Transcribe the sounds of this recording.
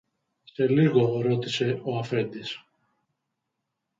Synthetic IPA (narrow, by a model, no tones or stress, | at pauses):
se̞liɣo̞ɾo̞t̪ise̞o̞ɐfe̞nd̪is